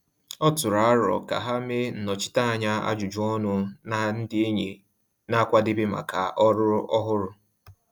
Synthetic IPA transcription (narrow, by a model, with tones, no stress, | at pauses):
ɔ˦tʊ˨ɾa˨a˦ɾɔ̰˨ka̰˨ɦa˦me˦n̩˨nɔ˨t͡ʃɪ̥˦ta˦a˨ɲa˦a̰˦d͡ʒu˨d͡ʒu˦ɔ˦nʊ˦na˨n̩˦dɪ˦e˦ɲe˨ | na˦kʷa˦dɪ˦bɪ˦ma̰˨kʰa̰˨ʔɔ˦ɾʊ˦ɔ˦ɦʊ˦ɾʊ˦